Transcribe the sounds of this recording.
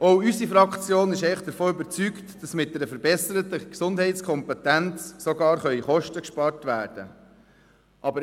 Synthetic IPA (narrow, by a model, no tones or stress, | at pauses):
ɔwysifɾɑkʰt͡sjoːnɪʃɛɪəχd̥əɾfoːʏbəɾt͡syktd̥ɑsmɪt̚dɛɾəfəɾbɛsəɾətəksʊndɦɛɪt͡skʰχɔmpɛtænt͡ssɔɡɑːɾχœʏχɔʃtəkʃpɑːɾtʋæːɾd̥ə̰ | ʔɑbəɾ